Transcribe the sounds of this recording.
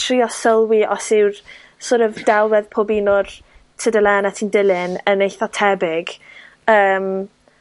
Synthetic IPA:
tʰriːɔsəlˠwiʔɔsɪwr | soɾɛvdalˠwɛðpʰobinʊrtʰədəlˠɛːnatʰiːndɪlˠɪnənejθɔtʰɛbɪɡ̥ | əːm

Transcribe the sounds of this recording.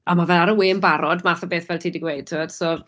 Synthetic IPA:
amavɛlˠaɾəwɪmbaɾɔdmaθabeːθvɛltʰiːdiɡwejtʰɔd̥sɔr

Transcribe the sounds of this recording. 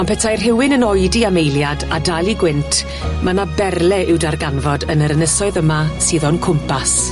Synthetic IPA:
ɔnpʰɛtʰajrɦɪwɪnənɔjdiamejljadadalˠiɡwɪntʰ | manabɛrlˠɛʔɪwdarɡanvɔdənəɾənəsɔɨðəmasɨːðɔnkʰʊmpʰas

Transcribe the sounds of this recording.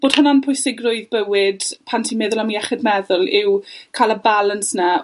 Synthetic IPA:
b̥oːd̥hʊnanpʰʊjsɪɡrʊjðbəwɪd̥pʰantʰimɛðʊlˠamiɛχɪd̚mɛðʊlˠɪwkʰalˠəbalənsna

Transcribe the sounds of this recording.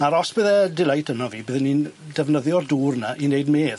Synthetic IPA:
aɾɔsb̥əðɛdɪlˠajtʰənɔviːbɨðənːindɛvnəðjɔrduːrnaʔinejdmeːð

